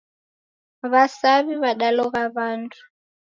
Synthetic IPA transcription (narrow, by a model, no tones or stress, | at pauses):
βasaβiβaɗalɔɣaβantʰu̥